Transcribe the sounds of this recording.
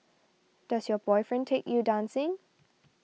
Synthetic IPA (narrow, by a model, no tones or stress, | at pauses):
d̥asjɔbɔɪfɹɛ̃ntʰekjudãnsɪ̃ŋ